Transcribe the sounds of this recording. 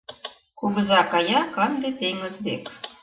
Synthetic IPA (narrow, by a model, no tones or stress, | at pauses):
kuβə̆zɑkɑjɑkɑnd̪et̪eŋə̆zd̪ḛk